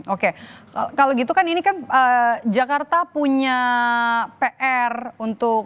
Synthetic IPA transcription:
okeakaloɡit̪ukaninikanəd͡ʒakart̪apuɲa | peʔɛrunt̪ʊk

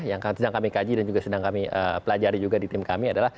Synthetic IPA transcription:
jaŋkasədaŋkamikad͡ʒidand͡ʒuɡasədaŋkamiʔə̰pəlad͡ʒaɾid͡ʒuɡadit̪ɪmkamiadalah

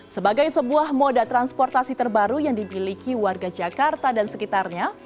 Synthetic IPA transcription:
səbaɡajsəbuahmodat̪ɾanspɔrt̪asit̪ərbaɾujaŋdibilikiwarɡad͡ʒakart̪adansəkit̪arɲa

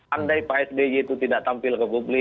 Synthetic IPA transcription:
andajpaɛsdejet̪ut̪idaʔt̪ampɪlkəpublɪ

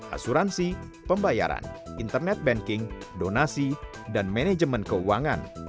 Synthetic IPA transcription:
ʔa̰suɾansi | pəmbaja̰ɾa̰nint̪ərnɛt̪̚bɛŋkɪŋdonasi | danmɛnɛd͡ʒəmənkəuwaŋa̰n

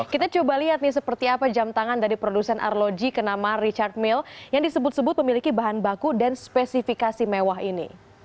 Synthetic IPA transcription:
kit̪at͡ʃobaliɦat̪̚nɪs̬əpərt̪iapad͡ʒamt̪aŋandaɾipɾodusɛnʔa̰rlod͡ʒikənamarit͡ʃard̪̚mɪljaŋdisəbʊt̪̚səbʊt̪̚məmilikibaɦanbakudanspɛsifikasimewaɦinḭ

